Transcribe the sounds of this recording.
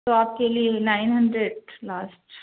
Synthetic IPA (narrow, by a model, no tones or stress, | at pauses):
oaːp̚kelienaːɪnɦɐ̃ɳɖɾeɖlaːsʈ